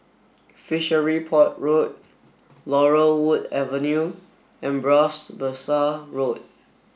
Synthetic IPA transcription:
fiʃəɹipʰɔt̚ɹot̚ | lɔɹəwudɛvə̃nju | ɛ̃nbɹɔsbəsaɹot̚

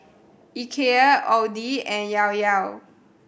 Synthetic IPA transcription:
ikʰeəʔɔdiɛ̃njawjaw

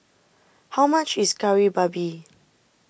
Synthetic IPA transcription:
hawmat͡ʃiskaɹibabi

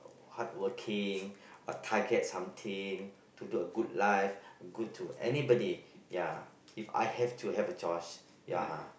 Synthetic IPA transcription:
hat̚wəkʰĩŋə̰tʰaɡɛt̚sãmt̪ʰĩŋ | tuduəɡud̚laɪfəɡud̚tʰuʔɛ̰nibɔdija | ifa̰jhɛftʰuhɛvət͡ʃɔɪs | ja

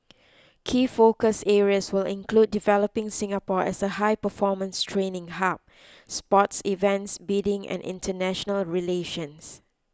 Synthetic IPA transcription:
kʰiːfokəsɛɹiəswɪlɪ̰̃nklud̚divɛləpɪ̃ŋsɪ̃ŋapɔɛ̰səɦaɪpəfɔmə̃nstʰɹẽnɪ̃ŋɦap̚ | spɔtsivɛ̃ntsbidɪ̃ŋʔɛ̰̃nʔɪ̰̃ntʰənɛʃənəlɹileʃə̃ns

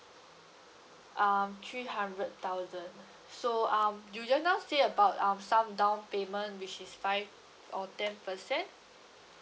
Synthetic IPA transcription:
ʔamt̪ʰɹiɦãndɹəd̚t̪aʊzə̃n | soãmjud͡ʒanatseəbaʊtãmsãmdãw̃npemə̃ntwit͡ʃisfaɪv | ɔtɛ̃npəsɛ̃nt

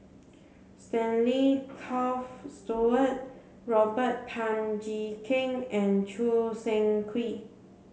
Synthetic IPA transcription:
stɛ̃nlikʰɔfstuət̚ | ɹɔbət̚pʰãnd͡ʒikʰĩŋɛ̃nt͡ʃusɛ̃ŋkʰwi

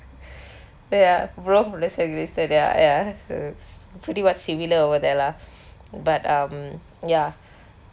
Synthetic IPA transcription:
jabloflɛsəɡzistədjajaso̰pʰɹitiwɔtsimiləovəd̪ɛla | batãm | ja

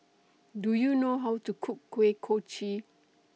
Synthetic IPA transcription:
dujunoɦawtukʰukːwekʰot͡ʃi

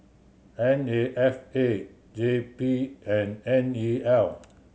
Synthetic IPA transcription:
ɛ̃neʔɛfe | d͡ʒepiɛ̃nɛ̃niɛl

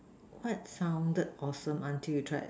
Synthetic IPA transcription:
kʰwaɪt̚sãʊ̃ndəd̚ɔsə̃mãntʰiljutʰɹa̰ɪt

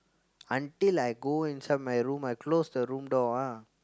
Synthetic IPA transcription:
ə̃ɳʈɪlaɪɡoːɪ̃nsad̚maɪɾũːmaɪkloːsd̪əɾũːmɖɔːa

